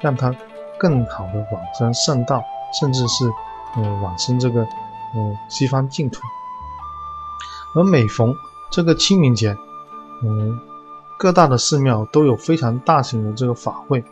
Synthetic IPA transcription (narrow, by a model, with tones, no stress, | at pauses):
ɻɑ˥˩ŋt̪ʰa˥ | kɤ˥˩ŋxɑ˨˩ʊd̪ə˦˥wa˨˩nʂə˥ŋʂə˥˧ŋt̪ɑ˥˩ʊʂə˥˧nʈ͡ʂɻ̩˥˧ʂɻ̩˥˩ | ə˧wa˨˩nʂə˥nʈ͡ʂɤ˥˩ɡə˩ | ə˧˩ɕi˥fa˥nt͡ɕi˥˩ŋt̪ʰu˧˥ | ə˧˥me˨˩ɪfɑ˧˥ŋ | ʈ͡ʂɤ˥˩ɡə˩t͡ɕʰi˥mi˧˥ŋt͡ɕjɛ˧˥ə˧˩ | kɤ˥˧t̪a˥˩d̪ə˩ʂɻ̩˥˧mjɑ˥˩ʊt̪o˥ʊjo˨˩ʊfe˥ɪʈ͡ʂʰɑ˧˥ŋt̪a˥˩ɕi˧˥ŋd̪ə˧ʈ͡ʂɤ˥˩ɡə˩fa˨˩xwe˥˩ɪ